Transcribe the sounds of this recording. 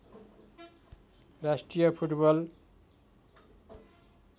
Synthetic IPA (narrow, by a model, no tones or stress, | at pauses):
rasʈrijʌpʰuʈbʌl